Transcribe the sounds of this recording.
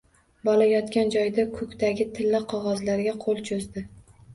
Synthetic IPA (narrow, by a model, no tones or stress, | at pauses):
bɒlajɒt̪kʲand͡ʒɒjd̪akʰɵkʲt̪aɡʲɪt̪ʰɪlːɪqʰɒʁɒzlaɾɡʲaqʰolˠt͡ʃʰozd̪ɪ